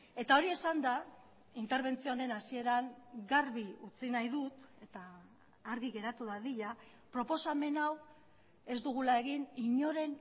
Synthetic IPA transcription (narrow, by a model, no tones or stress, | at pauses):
e̞t̪ao̞ɾie̞sand̪a | int̪e̞ɾβ̞e̞nt͡sione̞nasie̞ɾaŋɡaɾβiut͡sinajðut̪e̞t̪aː | ɾɣiɣe̞ɾat̪uðaðiʎa | pɾo̞po̞same̞naw | e̞zd̪uɣ̞ulae̞ɣiniɲo̞ɾe̞n